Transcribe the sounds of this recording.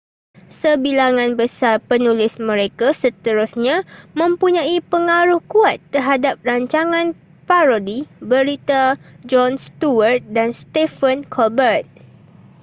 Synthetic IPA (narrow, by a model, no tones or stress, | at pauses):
səbilaŋãnbəsarpənũlɪsmə̃ɾekasət̪əɾʊsɲãmə̃mpuɲãipəŋaɾʊhkuat̪ːərɦadap̚raɲt͡ʃaŋãn | paɾodibəɾit̪a | d͡ʒɔnst̪uwərt̪̚danst̪efənkʰɔlbərt̪̚